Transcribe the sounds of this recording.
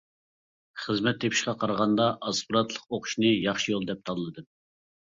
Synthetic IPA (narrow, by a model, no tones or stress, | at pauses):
χəzmɛt̪ʰːepʰi̥ʃqɑqʰɑɾʁɑnd̪ɑʔɑspuɾɑt̪lˠəqoqʰʊ̥ʃnɨjɑχʃijolˠd̪ɛp̚t̪ʰɑd̪ɨlˠɨd̪ɨm